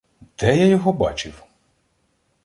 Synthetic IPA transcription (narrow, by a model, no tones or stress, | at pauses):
d̪̥ɛjajɔɦɔbɑ̰t͡ʃɪw